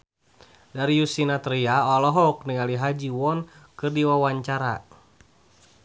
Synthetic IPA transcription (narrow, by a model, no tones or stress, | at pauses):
daɾijusinat̪ɾiaɔlɔɦɔk̚niŋaliɦad͡ʒiwɔnkɨrdiwawaɲt͡ʃaɾa̰